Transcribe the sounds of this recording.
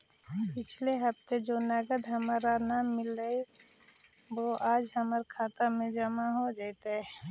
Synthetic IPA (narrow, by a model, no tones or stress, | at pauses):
pɪt͡ʃʰleɦəp̚t̪ed͡ʒonəɡəd̪ɦəmaːɾanaːmːɪlːəj | ʋoʔaːd͡ʒɦəməɾkʰaːt̪amẽd͡ʒəmaɦod͡ʒaɪt̪ɦ